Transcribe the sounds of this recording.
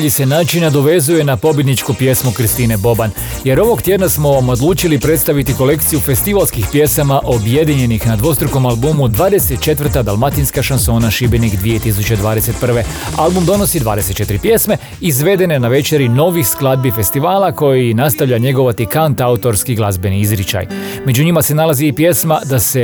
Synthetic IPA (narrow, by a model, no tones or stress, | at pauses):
ʎise̞naːt͡ʃinad̪o̞ʋe̞zuje̞napo̞bjed̪nit͡ʃkopje̞smokɾst̪iːne̞bo̞ban | je̞ɾo̞ʋo̞ɡt̪jed̪nasmo̞mod̪lˠuːt͡ʃilipɾe̞t̪st̪aʋit̪iko̞le̞kt̪sijufe̞st̪iʋalˠskixpje̞samaʔo̞bje̞d̪iɲe̞nixnad̪ʋo̞st̪ɾoko̞malˠbumud̪ʋaːd̪e̞set̪̚t͡ʃe̞t̪vr̩t̪ad̪alˠmat̪inskaʃanso̞ːnaʃibenikd̪ʋije̞t̪isut͡ɕed̪ʋaːd̪e̞se̞t̪̚pr̩ʋe̞ | alˠbumd̪o̞no̞sid̪ʋa̰ːd̪eset̪t͡ʃe̞t̪iɾipje̞sme̞ | izʋe̞d̪e̞nenaʋe̞t͡ʃe̞ɾino̞ʋixsklˠad̪̚bife̞st̪iʋaːlˠako̞jinast̪aʋʎaɲe̞ɡo̞ʋat̪ikant̪aut̪o̞ɾskiɡlˠazbe̞niizɾit͡ʃa̰j | me̞d͡ʑuɲimase̞nalˠaziːpje̞smad̪ase